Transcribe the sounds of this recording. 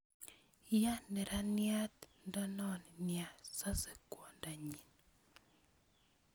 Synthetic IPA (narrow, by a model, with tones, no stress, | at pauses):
ja˦nɛ˨ɾa˦nɪa˦t̪nda˦nɔ˦nnɪa˨sa˦sɛ˨kwɔ˨nda˨ɲi˨n